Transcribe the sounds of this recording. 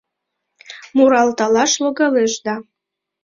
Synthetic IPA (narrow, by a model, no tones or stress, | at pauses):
muɾɑlt̪ɑlɑʃloɡɑleʃd̪ɑ